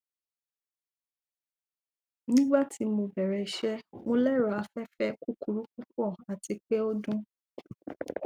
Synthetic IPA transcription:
nĩ˦ɡ͡ba˦˨tʰi˧mõ˧bɛ˨ɾɛ˨ʃɛ˦mo˧lɛ˦ɾa˨a˨˧fɛ˦fɛ˦ku˦ku˨ɾu˦ku˦kɔ˦˨a˨ti˧k͡pe˦o˦dũ˦

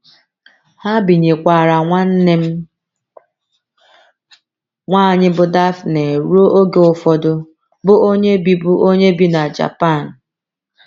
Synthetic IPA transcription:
ha˦bi˨ɲe˨kʷa˨ɾa˨ŋʷa˦n̩˦ne˦m̩˦ | ŋʷaː˦˨ɲɪ˦bʊ˨da˦fne˨ɾu˦o˦ʔo˦ɡe˦ʊ˨fɔ˦dʊ˦ | bʊ˦ʔo˦ɲe˦bi˦bʊ˦o˦ɲe˦bi˦na˨d͡ʒa̰˨pa˦˨n̩˨

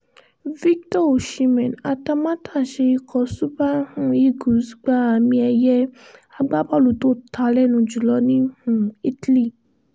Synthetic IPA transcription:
vi˦ktɔ˦o˨ʃi˧mɛ̃˨na˧ta˧mã˦tʰaː˦˨ʃe˧i˧kʰɔ˧su˦ba˦hũ˦i˦ɡu˨˦sɡ͡ba˦a˨mĩ˧ɛ˧jɛ˦a˧ɡ͡ba˦ba˦˨lu˨to˦tʰa˧lɛ˦˨nũ˧d͡ʒu˨lɔ˧˦nĩ˦hũ˦˨i˦tli˦˨

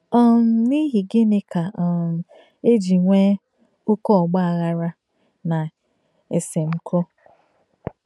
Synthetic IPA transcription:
ɔ˦m̩˨ni˦ɦi˨ɡɪ˦nɪ˦ka˨ | e˦d͡ʒi˨ŋʷe˦ | ʊ˦kɔ˦ɔ˨ɡ͡ba˦a˨ɣa˦ɾa˦ | na˨ | e˨se˨ŋ͡m̩˦kʰo˦

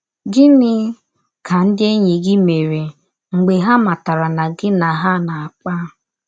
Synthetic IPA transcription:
ɡɪ˦nɪ˦ | ka˨n̩˦dɪ˦e˦ɲi˨ɡɪ˦me˨ɾe˨ | ŋ͡m̩˨ɡ͡be˨ɦa˦ma˨ta˨ɾa˨na˨ɡɪ˦na˨ɦa˦na˨a˨k͡pa˦

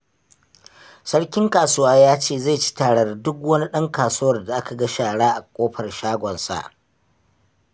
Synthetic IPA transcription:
sɐ˦ɽkʲɪ˦ŋkaː˨sʊ˦waː˦jaː˦t͡ʃeː˦˨ze˦˨t͡ʃi̥˦taː˨ɽɐ˨rdʊ˦kwɐ˦ni˦ɗɐ˦ŋkaː˨suː˦wɐ˨rda˨ʔa˦ka˨ɡɐ˦ʃaː˨ɽaː˦ʔa˨kʷʼoː˦ɸɐ˨rʃaː˦ɡʷɔ˨nsa̰˨ʔ

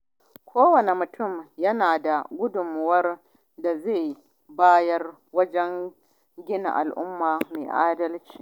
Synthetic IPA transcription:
kʷʰoː˦wɐ˨ne˨mʊ˨tʊ˦˨mjɐ˦naː˨da˨ɡʷʊ˦dʊ˨m˦wɐ˦r | da˨zeː˦˨j | baː˦jɐ˦r | wɐ˦d͡ʒɛ˦ŋ | ɡʲɪ˦na̰˨ʔa̰˨lʔʊ˦mːaː˨meː˨ʔaː˦dɐ˦lt͡ʃi̥ː˨

